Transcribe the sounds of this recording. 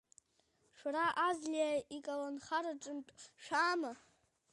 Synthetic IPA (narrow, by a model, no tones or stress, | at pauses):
ʃraʔazlijaikʼalanχaɾaʈ͡ʂʼɨnʈ͡ʂʼʃʷᶣaːma